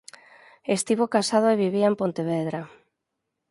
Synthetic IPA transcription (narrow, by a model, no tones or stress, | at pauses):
est̪iβokasað̞oeβiβiaempont̪eβeðɾa